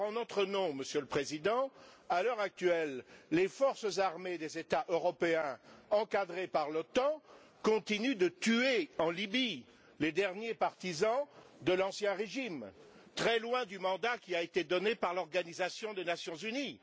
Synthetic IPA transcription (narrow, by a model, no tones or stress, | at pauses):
ɑ̃nɔt̪χənɔ̃məsjøləpχezid̪ɑ̃alœʁak̚t̪ɥɛlːefɔʁsəzaʁmed̪ezet̪aʔøʁɔpeɛ̃ɑ̃kad̪ʁepaʁlɔt̪ɑ̃ | kɔ̃t̪inyd̪ət̪yeɑ̃libi | led̪ɛʁnjepaʁt̪izɑ̃d̪əlɑ̃sjɛ̃ʁeʒimt̪χɛlwɛ̃d̪ymɑ̃d̪akʲiaet̪ed̪ɔnepaʁlɔʁɡanizasjɔ̃d̪enasjɔ̃zyni